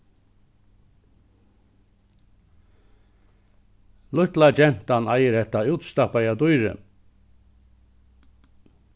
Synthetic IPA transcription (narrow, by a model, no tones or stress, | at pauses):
lʊt̪lad͡ʒɛnt̪anɑjəɾɛt̪ːauːt̪st̪apajad̪ujɾə̰